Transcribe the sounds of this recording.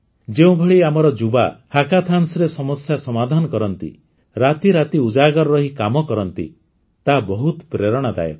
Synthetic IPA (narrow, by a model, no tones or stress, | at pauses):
d͡ʒeũbʱeɭiamɔɾɔd͡ʒuba̰hakat̪ʰansɔɾesɔmɔsjasɔmad̪ʱanɔkɔɾɔnt̪ḭ | ɾat̪iɾat̪iud͡ʒaɡɔɾɾɔɦikamɔkɔɾɔnt̪ḭ | t̪abɔɦut̪pɾeɾɔɽ̃ad̪a̰jɔ̰